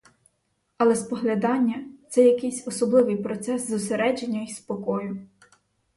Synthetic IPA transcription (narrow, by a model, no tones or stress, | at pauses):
ɐlˠɛspɔɦlʲɐd̪ɑnʲːɐt̪sɛjɐkɪsʲɔsɔblˠɪʋɪjpɾɔt̪sɛszʊseɾɛd͡ʒenʲːɐispɔkɔjʊ